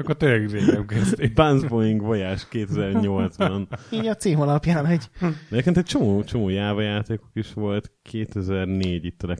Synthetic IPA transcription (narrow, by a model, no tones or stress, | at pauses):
kkːot̪øɾɛɡdeːkɛmkɛst̪ebanzbojiŋɡvɒjaːʃkeːt̪ɛzɛrɲo̞lt̪zbɒniːɟɒt̪siːmɒlɒpjaːnɛɟɛeːpkent̪ɛc̚t͡ʃo̞moːt͡ʃo̞moːjaːvɒjaːt̪eːkokiʃʋo̞lt̪kʰeːt̪ɛzɛrneːɟit̪ːɒlɛk